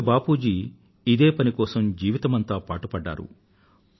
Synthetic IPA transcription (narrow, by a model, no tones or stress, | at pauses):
baːpuːd͡ʒiː | d̪e̞ːpɐnikɔːsɐmd͡ʒiːʋit̪ɐmɐnt̪aːpaːʈupɐɖːa̰ːɾṵ